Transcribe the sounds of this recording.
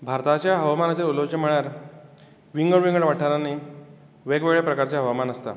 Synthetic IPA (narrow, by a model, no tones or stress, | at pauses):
bʱaɾt̪at͡ɕjaɦəʋamanat͡ɕeɾulot͡ɕənm̤əɭjaɾ | ʋiŋɡəɭʋiŋɡəɳʋaʈʰaɾanːi | ʋeɡʋeɭjapɾəkaɾt͡ɕjaɦəʋamanəst̪a̰